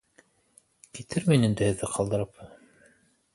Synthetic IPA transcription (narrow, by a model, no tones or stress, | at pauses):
kit̪ʰɘɾmæjnɘ̆nd̪ɘhɘ̆ðːɘqʰɑlˠd̪ɤ̆ɾɤp